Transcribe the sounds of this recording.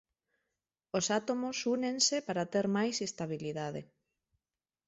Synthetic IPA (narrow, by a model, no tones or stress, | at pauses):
osat̪omosunensepaɾat̪eɾmajsest̪aβ̞iliðaðe